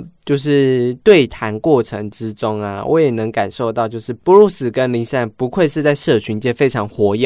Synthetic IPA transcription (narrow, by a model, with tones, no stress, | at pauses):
t͡ɕjo˥˧ʊʂ̬ɻ̩˥˧t̪we˥˩ɪt̪ʰa˧˥nkwɔ˥˩ʈ͡ʂʰə˧˥ŋʈ͡ʂɻ̩˦ʈ͡ʂʊ˥ŋa̰˨wʔɔ̰˧˦jɛ˨˩nə˧˥ŋka˨˩nʂo˥˧ʊt̪ɑ˥˧ʊt͡ɕjo˥˧ʊʂɻ̩˥˩pu˧˥ɻu˥˩sɹ̩˨˩kə˦nli˧˥ŋsa˥˩npu˧˥kʰwe˥˧ɪʂɻ̩˥˧t͡sa˥˧ɪʂɤ˥˩t͡ɕʰy˧˥nt͡ɕjɛ˥˧fe˥ɪʈ͡ʂʰɑ˧˥ŋxwɔ˧˥jɑ˥˩